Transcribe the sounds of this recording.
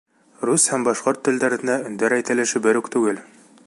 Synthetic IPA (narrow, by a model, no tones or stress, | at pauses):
rushæmbɑʃqoɾt̪ːɘ̆ld̪æɾɘ̆næɵ̆nd̪æɾæjt̪æ̆lɘ̆ʃɘbɘɾʉkt̪ʉɡɘl